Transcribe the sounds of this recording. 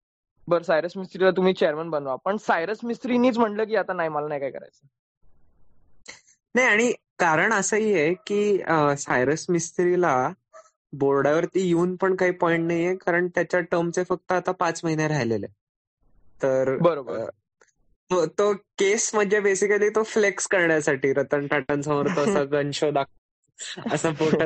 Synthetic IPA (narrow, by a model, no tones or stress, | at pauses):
bəɾsajɾəsmisʈɾilat̪̬um̤iːt͡ɕeəɾmanbənʋapəɳsajɾəsmisʈɾiniːt͡sm̤əɳləːk̬iːat̪anajməlanajkaɦikəɾa̰jt͡səː | najaɽ̃i | kaɾəɳəsəijekiːəsajɾəsmist̪ɾila | boɭɽaʋəɾt̪iːjuːnpəɳkaɦiːpɔiɳʈnaɦijekaɾəɳt̪jat͡ɕjaʈəmt͡sefək̚t̪əat̪apat͡sməɦinjaɾajlele | t̪əɾbəɾob | t̪ot̪okesməd̪ʱd͡ʑjabesikaliːt̪oflekskəɾɳjasaʈiːɾət̪əɳʈaʈə̃nsə̃məɾt̪oəsaɡənɕod̪ak̚t̪ | əsaboʈə